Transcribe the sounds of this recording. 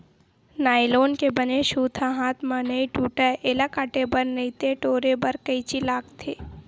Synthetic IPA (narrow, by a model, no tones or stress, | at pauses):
naːiloːnkebɐneʃuːt̪ʰãɦaːt̪ʰmɐnɐiʈuːʈəʔeləkaʈebəɾnəit̪eʈoːɾebɐɾkəit͡ʃilaːkt̪ʰeː